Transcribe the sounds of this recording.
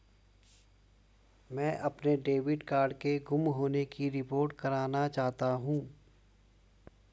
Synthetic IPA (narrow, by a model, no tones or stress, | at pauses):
mɛ̃ːʔɐpneɖeːʋɪɖkaːɾɖkeɡʊmɦoːnekiɾɪpoːɾʈkɐɾaːnat͡ʃaːɦt̪aɦũː